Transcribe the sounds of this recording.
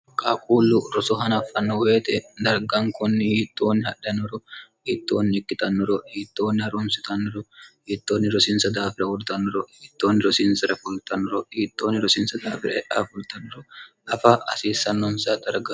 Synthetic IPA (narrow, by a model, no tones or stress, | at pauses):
kʼaːkʼuːlːʊɾɔsɔɦɐnɐfːɐnːɔwe̞ːt̪ɛd̪ɐɾɡɐŋkɔnːɪhiːt̪ːo̞ːnːɪhɐɗːɐnːɔɾɔhiːt̪ːo̞ːnːɪɪkːɪt̪ɐnːɔɾɔhiːt̪ːo̞ːnːɪhɐɾʊnsɪt̪ɐnːɔɾɔhiːt̪ːo̞ːnːɪɾɔsɪnsɐd̪aːfɪɾɐwɔd̪ʊt̪ɐnːɔɾɔhiːt̪ːo̞ːnːɪɾɔsɪnsɐɾɐfʊlt̪ɐnːɔɾɔhiːt̪ʼːo̞ːnːɪɾɔsɪnsɐd̪a̰ːfɪɾɐɛʔa̰ːfʊlt̪ɐnːɔɾɔ | ɐfɐɐsiːsːɐnːɔnsaːd̪ɐɾɡɐ